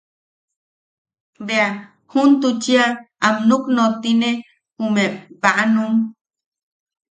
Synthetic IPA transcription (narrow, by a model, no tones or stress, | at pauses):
bea | hunt̪ut͡ʃia | amnuknot̪ine | humepaʔanum